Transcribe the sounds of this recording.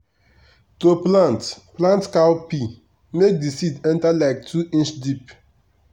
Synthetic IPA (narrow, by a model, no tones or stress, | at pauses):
toplãntplãntkawpi | mek̚disidɛ̃ntalaɪk̚tʰuʔĩnt͡ʃdip